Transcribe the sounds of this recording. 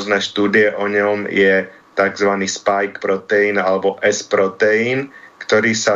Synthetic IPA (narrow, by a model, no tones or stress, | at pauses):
znɛːʃt̪uːd̪ɪɛʔɔɲɔmjɛ | t̪aɡzʋaniːspajkpɾɔt̪ɛiːnalɛbɔʔɛspɾɔt̪ɛiːnkt̪ɔɾiːsa